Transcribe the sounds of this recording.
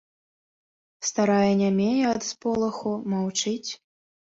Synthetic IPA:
st̪aɾajɛnʲamʲejɛɐd̪spɔlˠɐxumawt͡ʂɨt͡sʲ

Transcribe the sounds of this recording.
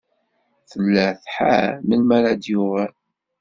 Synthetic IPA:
θəlːæθħa̰məlmælad̪juʁə

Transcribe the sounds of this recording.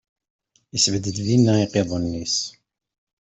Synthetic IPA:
isvəd̪əd̪ðinːæiqeðˤənːis

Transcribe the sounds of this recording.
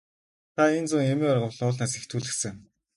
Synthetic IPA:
t̪ʰaent͡sʊŋemeːɔrʁə̆wɮʊːɮnaːs̬ext̪ʰuːɮɘ̆ksɘ̆ŋ

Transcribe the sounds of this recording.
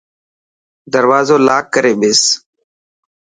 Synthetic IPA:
d̪əɾwaːzoːlaːkːəɾeːɓɪːs

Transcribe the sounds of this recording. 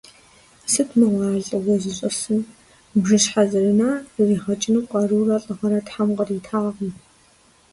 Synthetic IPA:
sɨtʰmɨwʷɑːɮʼɐwɔzɨɕʼɐsɨn | bʒɨɕħazɨɾɨnaːriːʁɐt͡ʃʼɪnuqʷʼɑːruːrɐɬʼɨʁɐɾɐtħamqɐritʰaːʁəm

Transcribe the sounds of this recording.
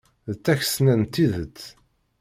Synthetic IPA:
ðət͡sːæç̥snænt̪ːiðət͡s̪ː

